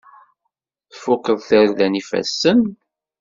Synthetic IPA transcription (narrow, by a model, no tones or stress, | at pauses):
θfʊkːəðˤθəɾðænifæ̰sːən